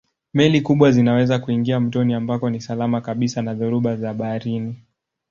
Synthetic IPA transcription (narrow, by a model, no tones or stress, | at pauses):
mɛlikuɓwazinawɛzakuiŋɡiam̩tɔniambakɔnisalamakaɓisanaðuɾuɓazaɓaːɾini